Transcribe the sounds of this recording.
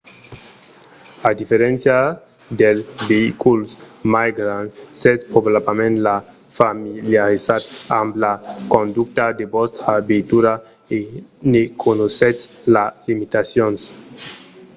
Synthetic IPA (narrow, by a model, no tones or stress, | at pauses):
ad̪ifeɾẽnsja | d̪elbeikulsmajɡɾanset̪poblapamẽnla | familjaɾisat̪amblakõnd̪ukt̪ad̪ebɔst̪abet̪uɾa | enekʰonoset͡s | lalimit̪asjons